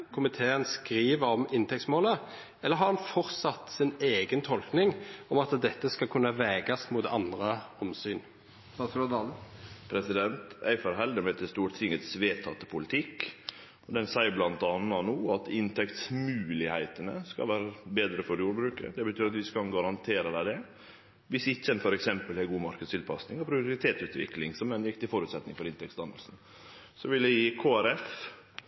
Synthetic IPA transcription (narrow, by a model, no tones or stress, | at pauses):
kʰʊmɪt̪ʰeːənskɾiːʋəɾɔmɪnt̪ʰɛk̚tsmoːlə | ɛlːəɾɦɑʁhɑnfɔɾt̪sɑt̪ːsɪneːɡənt̪ʰɔlknɪŋɔmɑt̪d̪ɛt̪ːəskɑkʰʉnːəʋɛːɡɑsmuːt̪ɑ̰nd̪ʁəɔmsyːn | pʰɾɛsɪd̪ɛnt̪æɪfɔɾɦɛld̪ɪmɛt̪ʰɪlst̪uːɾt̪ʰɪŋət̪sʋeːt̪ʰɑt̪ə̥pʰʊlɪt̪ʰɪkː | ɔd̪ɛnsæɪəblɑnt̪ɑnːɑnuːɑt̪ɪnt̪ʰɛkt̪smʉːlɪhæɪt̪ənə̰skɑ̰lʋæːɾəbeːd̪ɾəfɔɾjuːɾbɾʉːkə̰d̪ɛbət̪ʰyːɾɑt̪ʋɪskɑnɡɑɾɑnt̪ʰeːɾəd̪æɪd̪ɛ | ʋɪsɪçːəɛnfɔɾɛksɛmpəlhɛɡuːmɑɾkəd̪st̪ɪlpʰɑsnɪŋɔpʰɾɪʊɾɪt̪ʰeːt̪sʉːt̪ʋɪ̰klɪŋsɔmɛnjɪkːt̪ɪlfɔɾʉːt̪sɛt̪nɪŋfɔɾɪnt̪ɛk̚tsd̪ɑnd̪əlsn̩ | sɔʋɪlɛjiːkʰoːæɾɛf